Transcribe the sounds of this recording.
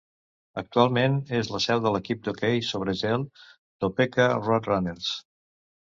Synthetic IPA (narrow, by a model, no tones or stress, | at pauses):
ək̚t̪ualˠmenezləsɛwðələkip̚d̪okejsoβ̞ɾəʒɛlˠ | d̪̥opekərɔt̪ranels